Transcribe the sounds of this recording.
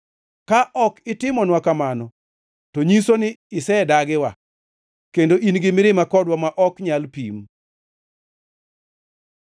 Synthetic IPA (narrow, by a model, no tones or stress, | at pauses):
kaʔɔkɪtɪmɔnwakamanɔ | toɲisonɪɪsɛdaɡɪwa | kendoʔinɡɪmɪɾɪmakɔdwamaʔɔkɲalpḭm